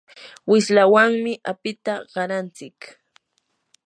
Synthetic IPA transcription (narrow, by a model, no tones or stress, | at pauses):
wɪslawaŋmɪʔapɪt̪aɢɑɾant͡sɪk